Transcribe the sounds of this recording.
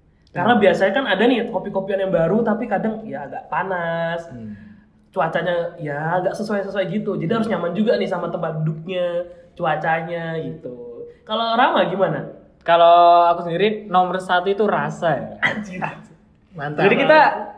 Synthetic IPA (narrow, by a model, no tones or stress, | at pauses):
karnabiasaɲakanadanɪkopikopianjaŋbaɾut̪apikadaŋjaŋɡaʔpanas | t͡ʃuat͡ʃaɲajaŋɡaʔsəsuajsəsuajɡit̪ud͡ʒadiɦaɾʊs̬ɲamand͡ʒuɡanɪhsamat̪əmbadʊk̚ɲat͡ʃuat͡ʃaɲaɡit̪ukaloɾamaɡimana | kaloakusəndiɾinɔmərsat̪uit̪uɾasa | mand͡ʒadikit̪a